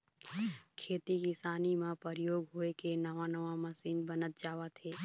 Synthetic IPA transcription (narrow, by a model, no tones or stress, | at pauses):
kʰeːt̪ikɪsaːnimãpəɾɪjoːɡɦoːekenəʋanəʋaməsiːnbənət̪̚d͡ʒaːʋat̪ʰeː